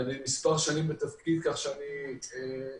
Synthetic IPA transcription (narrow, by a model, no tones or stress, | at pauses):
animispaʁʃanimbet̪afkid̪kaχʃeanie